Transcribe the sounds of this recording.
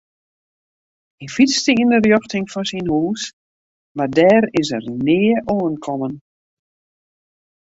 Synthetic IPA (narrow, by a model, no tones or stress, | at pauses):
ifistəindərjɔxtɪŋfɔnsinhuːs | mardɛːɾɪsərnɪːʔoːənkʰɔmən